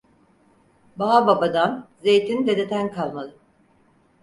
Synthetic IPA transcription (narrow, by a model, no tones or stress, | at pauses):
baɦababad̪anze̞jt̪ʰind̪ed̪et̪ʰænkʰalˠmalˠɯm